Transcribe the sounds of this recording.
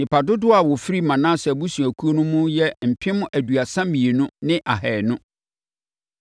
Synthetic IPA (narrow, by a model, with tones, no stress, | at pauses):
nɪ̃˨pʰa˨dʊ˦dʊ˦a˨wɔ˨fi˦ɾi˦mã˨nãː˦sɛ˨bu˦sũ˨æ˨kʰu˦o˦nʊ̃˦mʊ̃˦jɛ˦m̩˨pʰɪ̃˦mʊ̃˦ʔæ˨du˨a˨sã˦m˦mĩ˨e˨nʊ̃˦nɪ̃˦ʔa˨ɦɛː˨nʊ̃˦